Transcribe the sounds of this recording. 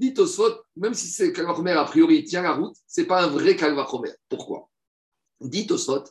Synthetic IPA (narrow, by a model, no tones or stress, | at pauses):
d̪it̪osfɔt̪̚mɛmsisɛkalvaʁɔmɛʁapχijɔʁit̪jɛ̃laʁut̪sɛpaɛ̃vʁɛkalvaʁχɔmɛ̰ʁpuʁkwa̰ | d̪it̪osfɔt̪